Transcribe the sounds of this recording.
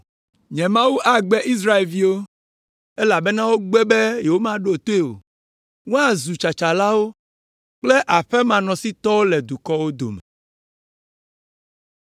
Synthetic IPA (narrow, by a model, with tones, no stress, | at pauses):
ɲɛ̃˨mã˦wu˦ʔa˦ɡ͡bɛ˦ʔi˦s̬ɾa˦e˨lvi˦wo˦ | e˦la˨bɛ˦nã˦wo˦ɡ͡bɛ˦be˦jɛ˨wo˦mã˦ɖo˦o˨t̪o˦e˦˨o̰˨ | wo˦a˨zu˨t͡ʃa˨t͡ʃa˨la˦wo˦ | k͡ple˦ʔa˨ɸɛ˦mã˨nɔ̃˨si˦t̪ɔ˦wo˦lɛ˨d̪u˨kɔ˦wo˦d̪o̰˨mɛ˨